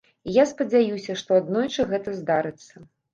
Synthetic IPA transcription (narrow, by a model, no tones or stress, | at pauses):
ijaspɐd͡zʲajusʲɐʂt̪ɔad̪nɔjt͡ʂɨɣɛt̪ɐzd̪aɾɨt̪sːɐ